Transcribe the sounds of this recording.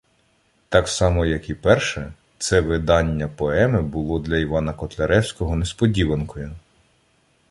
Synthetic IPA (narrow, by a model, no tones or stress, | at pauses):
t̪ɑksɑmɔjɐkipɛrʃɛ | t̪sɛʋɪd̪ɑnʲːɐpɔɛmɪbʊlˠɔd̪lʲɐiʋɑnɐkɔt̪lʲɐɾɛwsʲkɔɦɔnespɔdʲiʋɐnkɔjʊ